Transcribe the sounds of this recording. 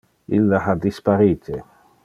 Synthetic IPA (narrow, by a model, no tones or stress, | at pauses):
ilːahad̪ispaɾiːt̪ʰe